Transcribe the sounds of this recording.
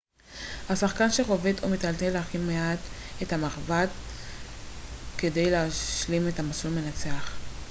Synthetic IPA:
hasaχkanʃeʁo̞vet̪ʰomit̪altelaχinmːeat̪ | ethamaχvat | ke̞de̞jleaʃlime̞tamasulme̞nat͡se̞aχ

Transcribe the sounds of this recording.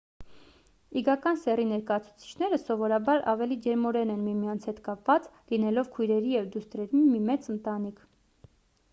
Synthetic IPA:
iɡɑkɑnsɛrinɛɾkɑjɑt͡sʰu̥t͡sʰi̥t͡ʃʰn̪ɛɾəsɔvɔɾɑbɑɾʔɑ̰vɛlid͡ʒɛɾmɔɾɛnɛnmimijɑnt͡sʰhɛt̪kɑpvɑt͡slinɛlɔvkʰujɾɛɾijɛvd̪ust̪ɾɛɾinmimɛt͡sənt̪ɑnikʰ

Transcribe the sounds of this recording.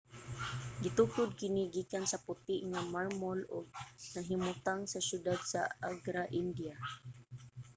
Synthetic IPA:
ɡɪt̪ʊkʊd̪̚kɪnɪɡiːkansapʊt̪ɪʔŋamaɹmolʊ̰ɡ̚naɦɪmʊt̪aŋsaʃjʊd̪ad̪saaɡɾaʔɪnd̪ia

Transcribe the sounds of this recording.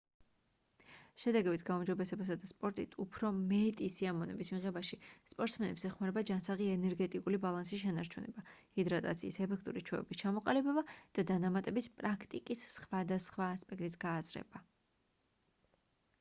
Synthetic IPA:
ʃɛd̪ɛɡɛbit̪ʰɡaumd͡ʒɔbɛsɛbasad̪aspʼɔɾt̪ʼḭt̪ʰupʰɾɔmɛt̪ʼisiamɔnɛ̰bismiʁɛbaʃispʼɔɾt̪smɛnɛpsɛχmaɾɛbad͡ʒansaʁiɛnɛɾɡɛt̪ʼikʼulibalˠansisʃɛnaɾt͡ʃʰunɛ̰bahid̪ɾat̪ʼat̪sʰḭːsɛpʰɛk̚ʰt̪ʼṵɾit͡ʃʰwɛ̰vɛ̰bist͡ʃʰamɔqʼalibɛbad̪̥ad̪anamat̪ʼɛbispʼɾakʰt̪ʼikʼisːχwad̪asχwaːspʼɛk̚ʰt̪ʼisɡ̥aːzɾɛ̰ba

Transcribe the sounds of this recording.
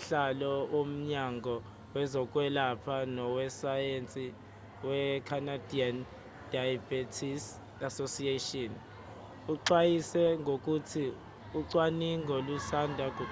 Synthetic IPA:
ɬalɔom̩ɲaŋɡʱɔ | wɛzɔkʼwɛlapʰanɔwɛsajent͡sʼi | wɛkʰanadian | dajabetʰis | asosietɔn | uǃwajisɛŋɡʱok̬ʼutʰi | uǀwaniŋɡʱolusandʱak̬ʼ

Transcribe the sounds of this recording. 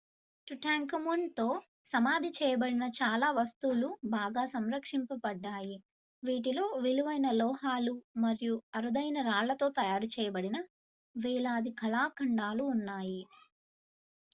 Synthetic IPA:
ʈuʈaːŋkɐmuɳɖt̪o̞ː | sɐmaːd̪ʱit͡ʃɛːjɐbɐɽinɐt͡ʃaːlaːʋɐst̪uːlubaːɡaːsɐmɾɐkʂimpɐbɐɖːaːji | ʋiːʈ̬ilo̞ːʋiluʋɐjnɐlɔːɦaːlumɐɾijuɐɾud̪ɐjnɐɾaːɭːɐt̪o̞ːt̪ɐjaːɾut͡ʃɛːjɐbɐɽinɐ | ʋɛːɭaːd̪ikʰɐlaːkʰɐɳɖaːluːnːaːji

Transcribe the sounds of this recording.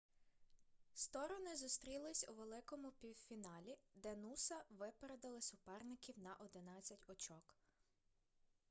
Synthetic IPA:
st̪ɔɾɔnɪzʊst̪ɾʲilˠɪsʲuʋelˠɪkɔmʊpʲiwfʲinɑlʲid̪ɛnusɐʋɪpeɾed̪ɐlˠɪsʊpɛrnɪkʲiwnɐʔɔd̪ɪnɑt͡sʲːɐtʲɔt͡ʃɔk

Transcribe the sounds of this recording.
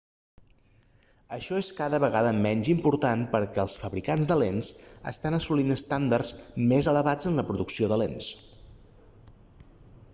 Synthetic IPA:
əʃɔeskaðəβəɣaðəmɛɲʲzimpuɾt̪anpəɾkɛəlˠsfəβɾikanzd̪əlensə̰st̪anəsulinəst̪and̪ərzmezələβad͡zənləpɾuðuksioðəlens

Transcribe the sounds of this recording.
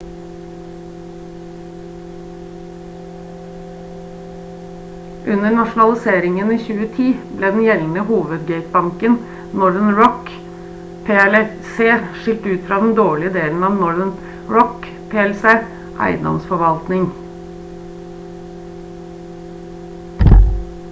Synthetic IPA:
ʔʉnəɳɑʃnɑlɪseːɾɪŋəniːçʉːət̪ʰiːbleːd̪n̩jɛln̩əhuːʋəd̪ɡæɪt̪̚bɑŋkən | nɔɾənɹɔk | pʰeːɛlɛ | seːʃɪlt̪ʉːt̪fɾɑːd̪n̩d̪oːɭɪəd̪eːln̩ɑːʋnɔɾən | ɹɔk | pʰeːɛlseː | ʔɑ̰ɪd̪ɑ̰msfɔʋɑlt̪nɪŋ

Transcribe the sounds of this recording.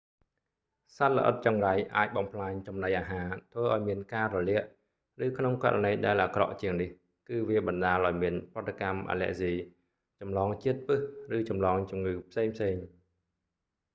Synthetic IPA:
sat̪̚lə̰̆ʔə̰t̪̚t͡ɕɑŋrajʔaːc̚ɓɑmpʰlaːɲt͡ɕɑmnajʔaːɦaːt̪ʰʋəːʔaɔjmiənkaːrɔlɛəʔ | rɨːkʰnoŋka̰ɾanəjɗaɛlʔaːkrɑ̰ʔt͡ɕiəŋnih | kɨːʋiəɓɑnɗaːlʔaɔjmiənp̆ət̪ːakamʔa̰ːlɛ̰̆əʔsiː | t͡ɕɑmlɑːŋt͡ɕiət̪̚pɨhrɨːt͡ɕɑmlɑːŋt͡ɕumŋɨːpʰseːŋpʰseːŋ

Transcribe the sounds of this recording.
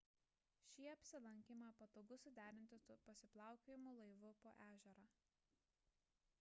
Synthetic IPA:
ʃʲiːɐpʲsʲɪlˠɐŋʲkʲimɑpɐt̪oːɡʊsʊd̪ʲæːɾʲɪnʲt̪ʲɪsuːpɐsʲɪplˠɑˑʊkʲoːjɪmuːlˠɐɪʋʊpoːʔæːʒʲɛɾaː

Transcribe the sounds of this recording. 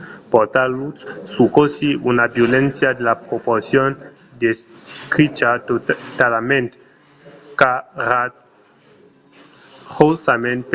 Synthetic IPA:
poɾt̪alusukosiunabjolensjad̪elapɾopoɾsjon | d̪eskɾit͡ʃat̪almẽnt̪ | kaɾa | ʁosamẽnt̪

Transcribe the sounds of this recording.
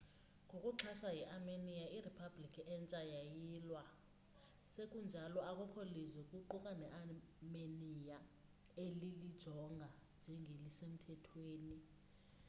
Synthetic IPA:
ŋʱokʼuǁʰaʃajɛʔamenijairipʰablikʰiɛnt͡ʃʼajajilwa | sek̬ʼund͡ʒʱalɔakʼɔkʰolizɛkʼuǃukʼanɛʔamenijaelilid̥ʒ̥ʱɔŋɡʱand͡ʒʱɛŋʱelisem̩tʰɛtʰweːni

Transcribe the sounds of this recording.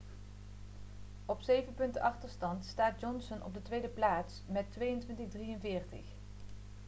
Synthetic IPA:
ɔpsejvənpɵntəʔɑχtəɹstɑntstaːd̚d͡ʒɔnsənʔɔ̰b̚dətʋejdəplaːtsmɛtʋejəntʋɪntəɣdrijənvɪːɹtə̰χ

